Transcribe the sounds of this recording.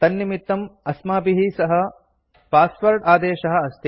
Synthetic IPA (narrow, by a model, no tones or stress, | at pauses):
t̪ɐnːimit̪ːɐmɐsmaːpiɦisɐɦɐ̆ | paːspɐɾʈaːd̪eːʃɐɦɐ̆ɐst̪i